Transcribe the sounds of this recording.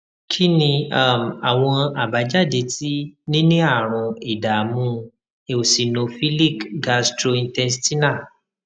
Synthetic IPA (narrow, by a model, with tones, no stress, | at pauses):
kʰi˦nĩ˧a˦˨m˨a˨w̃ɔ̃˧a˨ba˨˦d͡ʒa˦˨de˧˦ti˦nĩ˦nĩ˦a˦˨ɾ̃ũ˧i˨da˨mũ˧˦ | e˨o˨si˨nõ˨fi˦li˦˨kɡa˧stɾo˧ĩ˧ntɛ˧nsti˦na˦˨